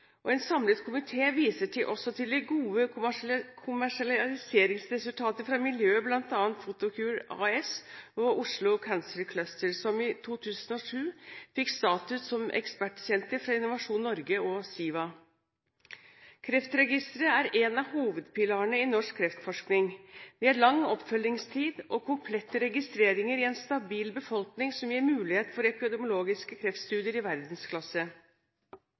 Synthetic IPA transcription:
ʔɔɛnsɑmlət̪kʰʊmɪt̪ʰeːʋiːsəʈʰɪʔɔsɔt̪ʰɪld̪ɛɡuːə | kʰʊmæʂɑlɑlɪseːɾɪŋsɾɛsʉlt̪ʰɑːt̪əɾfɾɑmɪljøːblɑnt̪ɑːnt̪fʊt̪ʊkʰʉːɾɑ̰ɛsɔʔʊʂlʊkʰænsəlkʰlœst̪əɾsɔmɪt̪ʰuːt̪ʰʉːsənɔʂʉːfɪkst̪ɑːt̪ʉssɔmʔɛ̰kspæʈːsɛnt̪əɾfɾɑɪnʊʋɑʂuːnːɔɾɡəɔsiːʋɑ | kʰɾɛft̪ɾɛɡɪst̪əɾəæɾɛnɑʋhuːʋəd̪pɪlɑːəɳəɪnɔʂkʰːɾɛft̪fɔʂknɪŋʋ̪ɪæɾɭɑŋːɔpfœlːɪŋst̪ʰiːd̪ɔkʰʊmpʰlɛt̪ːəɾɛɡɪst̪ɾeːɾɪŋəɾɪɛnst̪ɑbiːlbəfɔlknɪŋsɔmjeːɾmʉːlɪheːt̪fɔɾɛpɪd̪ɛmʊloːɡɪskəkʰɾɛft̪st̪ʉːd̪ɪəɾɪʋæɾd̪n̩skʰlɑsə

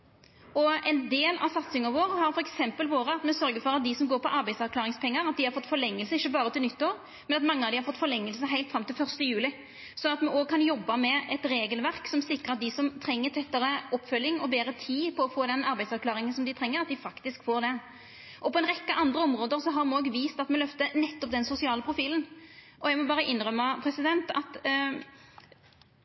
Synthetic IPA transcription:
ɔɛnd̪eːlɑ̰sɑt̪sɪŋəʋoːʁhɑɾfɔɾɛksɛmpəlʋoːɾəɑt̪mɛsœɾɡəfɔɾɑt̪̚d̪ɪsɔmɡoːɾpɔʔɑɾbæɪsɑʁklɑːɾɪŋspʰɛŋːəɾɑt̪̚d̪ɪhɑɾfɔt̪ːfɔɾlɛŋːəlsəɪçːəbɑːʁət̪ʰɪlnʏt̪ːoːɾ | mɛnɑt̪mɑŋːəɑʋd̪ɪhɑɾfɔt̪ːfɔɾlɛŋːəlsəɦæɪlt̪fɾɑmt̪ɪlfœʁst̪əjʉːlɪ | sɔnɑt̪mɛʔoːɡ̚kʰɑnjɔbːɑmɛɛt̪ɾeːɡəlʋæʁksɔmsɪkːəɾɑt̪̚d̪ɪsɔmt̪ʰɾɛŋːət̪ʰɛt̪ːəʁəɔpːfœlːɪŋɔbeːɾət̪ʰiːpʰɔɔfoːd̪ɛnɑɾbæɪsɑʁkʰlɑːʁɪŋənsɔmd̪ɪt̪ʰɾɛŋːəʁɑt̪d̪ɪfɑkt̪ɪskfoːʁd̪ɛ | ʔɔpɔɛnʁɛkːəʔɑnd̪ʁəɔmʁoːd̪əʁsɔɦɑʁmɛnoːɡʋiːst̪ɑt̪mɛlœft̪ənɛt̪ːɔp̚d̪ɛnsʊsɪɑːləpʰʁʊfiːlən | ʔɔjɛɪmɔbɑːʁəʔɪnʁœmːɑpʰɾɛsɪd̪ɛnt̪ɑt̪

